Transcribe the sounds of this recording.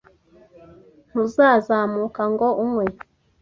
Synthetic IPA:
n̥huzaːzaːmukaŋɡoumŋwe

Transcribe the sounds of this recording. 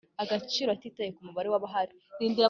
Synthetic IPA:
aɡat͡ʃiːɾoatiːtajekumuβaɾe̞waβaɦaɾi | ɾiːndiɾa

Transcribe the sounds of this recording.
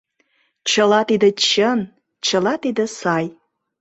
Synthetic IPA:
t͡ɕəlɑt̪id̪ə̆t͡ɕən | t͡ɕəlɑt̪id̪ə̆sɑj

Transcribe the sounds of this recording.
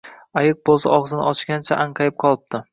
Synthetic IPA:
ajɪq̚bolˠsaɒʁzɪnɪ̰ɒt͡ʃɡʲant͡ʃʰa̰ʔaɴqʰɑjɪp̚qʰɒlˠɪp̚t̪ɪ

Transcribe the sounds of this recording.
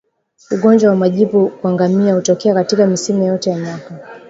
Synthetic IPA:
uɠɔɲd͡ʒwawamaʄipukuaŋɡamiahutɔkɛakatikamisimɛjɔtɛjamaka

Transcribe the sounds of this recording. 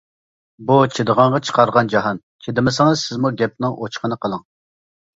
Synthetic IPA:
but͡ʃʰed̪əʁɑɴʁɑt͡ʃʰə̥qʰɑɾʁɑnd͡ʒɑɦɑn | t͡ʃʰed̪ɪmɪsɪŋɨz̥sɪzmuɡʲɛp̚nɪŋʔot͡ʃʰqənəqʰəlˠəŋ

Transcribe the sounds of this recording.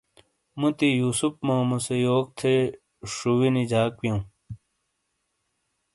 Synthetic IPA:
mũt̪ijuːsupmãːmusejoːk̚t̪ʰe | ʂuwinid͡ʑaːk̚wjɐ̃ũ

